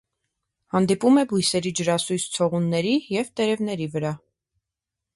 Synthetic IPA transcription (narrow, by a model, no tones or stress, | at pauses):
hɑnd̪ipumɛbujsɛɾid͡ʒəɾɑsujst͡sʰɔʁunːɛɾijɛvt̪ɛɾɛvnɛɾivəɾɑ